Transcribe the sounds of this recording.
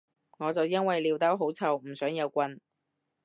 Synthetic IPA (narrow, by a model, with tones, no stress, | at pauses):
ŋɔː˨˧t͡sɐ˨wjɐ˥nwɐ˨jliː˨˧wt̪ɐ˥wɦo˨˥wt͡sʰɐ˨˩wm̩˨˩sœː˨˥ŋjɐ˨˧wkʷɐ˧n